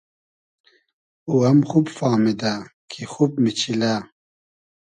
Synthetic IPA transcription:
uɐmxubfaːmid̪akʰixubmit͡ɕʰila

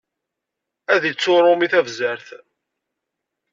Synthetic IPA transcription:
æðit͡sːʊɾˤʊmiθævzəɾθ

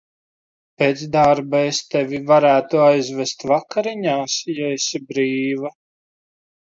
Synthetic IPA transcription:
peːt̪sd̪aɾbaest̪evʲivaɾæːt̪uajzvest̪vakaɾiɲaːsjaesibɾiːva

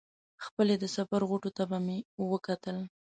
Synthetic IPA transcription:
xpəled̪əsafaɾɣoʈot̪abamewəkat̪əl

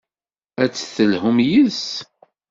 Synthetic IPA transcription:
æt͡sːθəlhʊmjəs

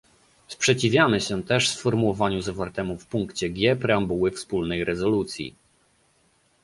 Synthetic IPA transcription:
spʂɛt͡ɕivʲjamɘɕɛt̪ɛʂsfɔɾmuwɔvaɲuzavaɾt̪ɛmufpuŋkt͡ɕɛɡʲjɛpɾɛambuwɘfspulnɛjɾɛzɔlut̪sʲjḭ

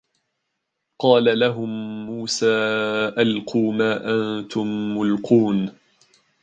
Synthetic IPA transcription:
qɑːlalaɦʊmːuːsaːʔalquːmaːʔant̪ʊmːʊlquːn

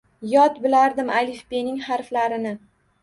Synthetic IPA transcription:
jɒt̪bɪlaɾd̪ɪmalifbenɪŋhaɾflaɾɪnɪ

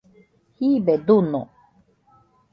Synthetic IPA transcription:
hibed̪uno̰

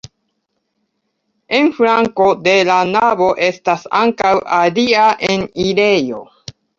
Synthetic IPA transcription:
e̞nfɾaŋko̞de̞lanavo̞ʔe̞stasaŋkawaliaʔe̞nile̞jo̞

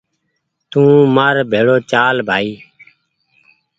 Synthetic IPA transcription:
t̪ũːmaːɾbʱeːɽoːt͡ʃaːlbʱaːiː

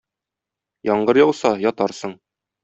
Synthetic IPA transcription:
jɒɴɢɤɾjɒwsɑjɒt̪ɑɾsɤɴ

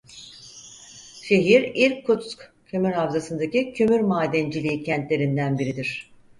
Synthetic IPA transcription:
ʃe̞ɦiɾilʲkʰːut̪sk | cʰømyɾɦavzasɯnd̪acicʰømyɾmaːd̪ænd͡ʒilʲiːcʰɛnt̪lʲe̞ɾind̪ænbiɾid̪iɾ̝̥

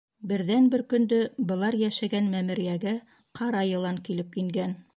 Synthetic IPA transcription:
bɘ̆ɾðænbɘɾkɵ̆nd̪ɵbɤ̆lˠɑɾjæʃæɡænmæmɘ̆ɾijæɡæ | qʰɑɾɑjɤ̆lˠɑŋkilɘpjɵ̆ŋɡæn

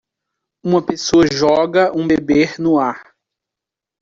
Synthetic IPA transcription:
ũmɐpesoɐʒɔɡɐʔũbebeɾnʊaɾ

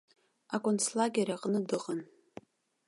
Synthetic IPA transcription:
akʷʼʊnslaɡʲaɾaqʼnɨdɨqʼən

